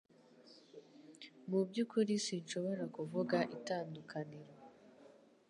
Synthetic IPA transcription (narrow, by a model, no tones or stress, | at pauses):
mubɟukʰuɾisinʃo̞βo̞ɾakuvuɡaʔitaːndukʰaniɾo